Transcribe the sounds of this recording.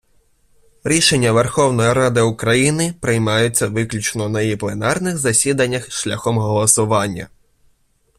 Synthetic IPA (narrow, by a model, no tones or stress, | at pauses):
ɾʲiʃe̞nʲːɐʋerxɔwnɔjiɾɑd̪ɪʊkɾɐjinɪpɾɪjmɑjʊt͡sʲːɐʋɪklʲut͡ʃnɔnɐjjiplˠenɑrnɪxzɐsʲid̪ɐnʲːɐxʃlʲɐxɔmɦɔlˠɔsʊʋɑnʲːɐ̰